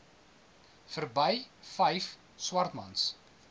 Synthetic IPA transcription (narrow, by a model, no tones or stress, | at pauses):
fərbəjfəjf | swɐrt̪mɐ̰ns